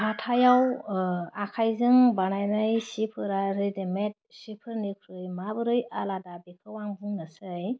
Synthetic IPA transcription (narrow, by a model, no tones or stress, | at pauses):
ɦatʰajaw | akʰajzɯŋbanajnajsipʰɯɾaɾɯdemet̚sipʰɯɾnikʰɾɯjmabɯɾɯjaladabekʰɯwaŋbɯŋnasɯj